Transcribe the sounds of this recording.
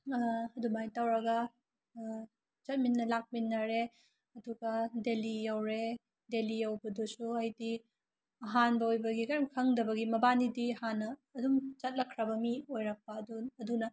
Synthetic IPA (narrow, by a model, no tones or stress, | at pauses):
ɐdumajtawɾɐɡɐ | t͡ʃɐt̚minːɐlak̚minːɐɾe | ɐduɡɐdelijawɾe | delijɐwbɐdusuɐjdi | ɐɦanbɐojbɐɡikaɾɐmkʰɐŋdɐbɐɡimɐbanidiɐhanːɐːdumt͡ʃɐt̚lɐkʰːɾɐbɐmiojɾɐk̚pɐduɐdunɐ